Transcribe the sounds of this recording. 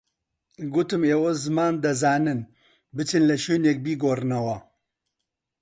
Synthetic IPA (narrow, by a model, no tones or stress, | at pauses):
ɡut̪ɨmeːwɐzɨmaːnd̪ɐzaːnɨn | bɨt͡ʃɨnlɐʃeːnek̚biːɡoːrɨnɐwɐ